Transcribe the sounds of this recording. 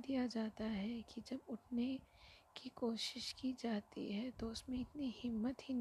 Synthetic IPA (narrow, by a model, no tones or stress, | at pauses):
d̪ijad͡ʒaːt̪aɦɛkid͡ʒɐbʊʈʰnekikoːʃɪʃkid͡ʒaːt̪ḭɦɛt̪oʊsmẽɪt̪nihɪmːət̪ɦin